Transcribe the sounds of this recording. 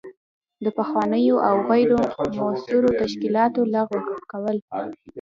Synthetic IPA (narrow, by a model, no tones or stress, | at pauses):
d̪əpaxwɑnəjoʔawɣajɖomasuɾot̪aʃkilɑt̪olaɣwəxkawəl